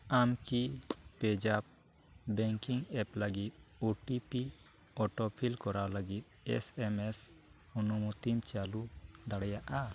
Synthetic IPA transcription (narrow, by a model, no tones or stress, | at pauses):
amkipɛd͡ʒab̚ | bɛŋkiŋɛpləɡit̪̚uʈipi | ɔʈɔpʰilkɔɾawləɡit̪̚ɛ̰sɛmɛs | unumut̪imt͡ʃalud̪aɽɛjaʔa